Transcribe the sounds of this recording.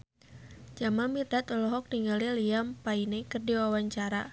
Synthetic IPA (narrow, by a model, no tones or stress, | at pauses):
d͡ʒamamit̪at̪ɔlɔɦɔk̚tiŋɡaliliampainɛkərdiwawaɲt͡ʃaɾa̰